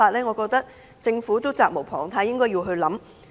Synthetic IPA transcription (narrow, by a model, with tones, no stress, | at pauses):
aː˧t̚lɛː˥ŋɔː˨˧kɔː˧k̚t̪ɐ˥k̚ | t͡sɪ˧ŋfu˨˥t̪o˥wt͡saː˧k̚mo˨˩wpʰɔː˨˩ŋt̪ʰa˧˥jɪ˥ŋkɔː˥ji˧wɦɵ˧ɥlɐ˨˥m